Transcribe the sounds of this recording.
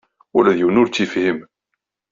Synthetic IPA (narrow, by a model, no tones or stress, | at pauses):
ʊlæðjuwnʊɾt͡sːifhəm